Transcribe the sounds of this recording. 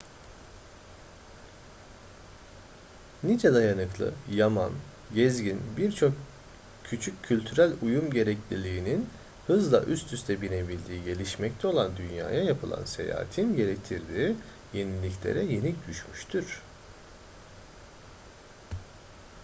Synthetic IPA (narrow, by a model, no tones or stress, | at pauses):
nid͡ʒɛd̪ajanɯklˠɯ̰jama̰n | ɟɛzɟinbiɾt͡ʃʰo̞k | cʰyt͡ʃʰycʰːylʲt̪ʰyɾælʲujumɟe̞ɾɛclʲilʲiːnin | hɯzlˠa̰ʔyst̪ʰyst̪ʰɛbine̞bilʲd̪iːɟe̞lʲiʃmɛc̚t̪ʰɛo̞lˠand̪ynja̰ːjajapʰɯlˠa̰nse̞̰ja̰ːt̪ʰinɟe̞ɾec̚t̪ʰiɾd̪iː | je̞nilʲːiclʲḛɾɛje̞nic̚d̪yʃmyʃt̪ʰyɾ̥